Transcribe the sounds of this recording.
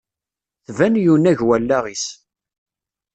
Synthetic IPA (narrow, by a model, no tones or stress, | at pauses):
θvænjunæʝwælːæʁis